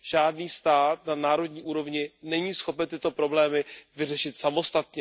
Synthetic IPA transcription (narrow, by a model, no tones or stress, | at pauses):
ʒ̥aːdniːst̪aːt̪nanaːɾo̞dɲiːʔuːɾo̞vɲɪnɛɲiːsxo̞pɛnt̪ɪt̪o̞pɾo̞blɛːmɪvɪrɛʃɪt̪samo̞st̪at̪ɲɛ